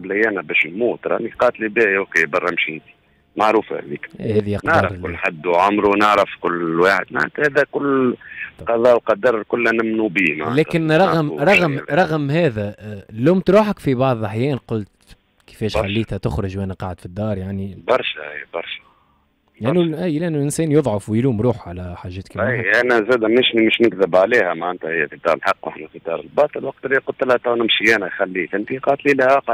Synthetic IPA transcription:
bəlæjæːnæbɛʃɪlmuːt̪ɾˤɑ̰niqɑːt̪libæːʔokebɑrˤːɑmʃiɪnt̪i̥ | maʕɾuːfa̰hæ̰ðḭːkːhæːðijɑqnaʕɾˤʊlːħad̪ːʕʊmɾunəʕɾəfkʊlːwaːħə̰d̪ma̰ʕa̰nt̪hæːðækʊlː | qɑðˤɑːʔlqɑd̪ɑɾˤkʊlːænɪmnubiːma̰ʕlɛːɪnɾˤɑɣmɾˤɑɣmɾˤɑɣmhɛːðæluwmt̪ɾuːħəkfibɑʕðˤaħjɛːnqʊlt̪ | kɪ̥fɛːʃxalːiːt̪hæt̪ʊxɾʊʒwʔæːnæqɑʕd̪fid̪ːɑːɾˤjaʕnibɑɾˤʃæʔḭjːbɑɾˤʃæ̥ | lʔænːuʔijlɪʔænːulʔɪnsɛːnjoðˤʕʊfwɪjluːmɾˤuːħʕalæħaːʒːɛːt̪kːʔʔænæzæːd̪mɪʃmɪʃnɪkðɪbʕaliːhæmaʕʔənt̪æhɪjːæfid̪ɑ̰ːɾəlħɑqːwʔa̰ħnæfit̪ɑ̰ɾˤəlbɑːt̪ˤəlwɑq̚t̪liqʊlt̪lhæt̪ˤɑwnɪmʃiænæxælːiːt̪ʔɪnt̪iqɑːt̪lilæhæq

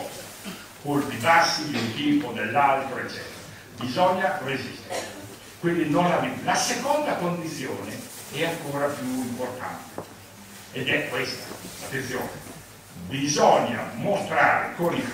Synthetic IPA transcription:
kolpibasːid̪iunt̪iːpod̪elːalt̪ɾoet͡ʃːɛ̰ːt̪eɾa | bizɔɲːarezist̪eɾe | kwind̪inonlavilasekond̪akond̪it̪sːjoːne | ɛaŋkoːɾapjuimport̪a̰nt̪e̥ | ed̪ɛkːwest̪ḁat̪ːent̪sjo̰ːne | bizɔɲːa̰most̪ɾaːɾḛkoni

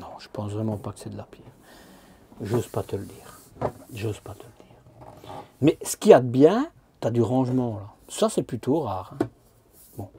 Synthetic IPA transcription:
nɔ̃ʒə̥pɑ̃svʁɛmɑ̃pakə̥sɛd̪əlapjɛːʁ | ʒozpat̪ələd̪iːʁʒozpat̪ələd̪̥iːʁ | mɛsə̥kʲiad̪əbjɛ̃ | t̪yad̪yʁɑ̃ʒmɑ̃lasasɛplyt̪ʰoʁaːʁɛ̃ | bɔ̃

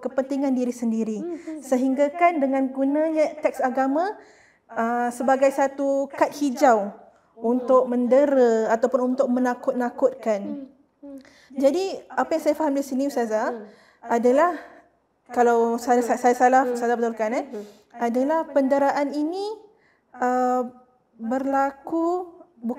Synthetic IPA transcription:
kəpənt̪iŋãndiɾisəndiɾisəɦiŋɡakandəŋãnɡunãɲat̪ɛk̚saɡamã | əsəbaɡajsat̪ukat̪̚hid͡ʒaw | unt̪ʊk̚məndəɾəat̪awpʊnunt̪ʊk̚mə̃nakʊt̪̚nakʊt̪̚kan | d͡ʒadiapajaŋsajafaɦamdisiniusaza | adalah | kalawsasasajasalahsazabət̪ulkana | adalahpəndəɾaʔanini | ə | bərlakubu

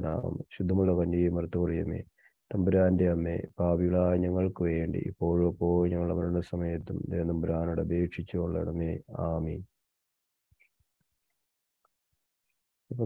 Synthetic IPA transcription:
na̰ːɐ̰mɕud̪ʱːɐmuɭːɐkɐɲːijmɐrt̪ːukurijɐmḛː | t̪ɐmbuɾaːndeɐmːḛːbaːbijiɭaːjɲɐŋːɐɭkɨʋeːɳɖḭʔḭpːo̞ːɻɐpːo̞ːjɲɐŋːɐɭɐmɐɾuɳɐsɐmɐjɐt̪ːumd̪eːnɐmbuɾaːnoɽeɐbeːkʂit͡ɕːuoɭːɐ̰ɽɐmeːaːmin | ipːɐ

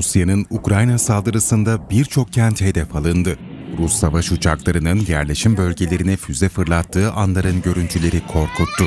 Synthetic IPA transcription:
usjanɯnukɾajnasalˠd̪ɯɾɯsɯnd̪abiɾt͡ʃʰo̞k̚cʰænt̪he̞d̪ɛfalˠɯnd̪ɯɾusːavaʃut͡ʃʰaklˠaɾɯnɯnjæɾlʲe̞ʃimbø̞lʲɟe̞lʲe̞ɾinɛfyzɛfɯɾlˠat̪ʰːɯːʔanlˠaɾɯnɟø̞ɾynt̪ʰylʲe̞ɾikʰo̞ɾkʰut̪ːʊ

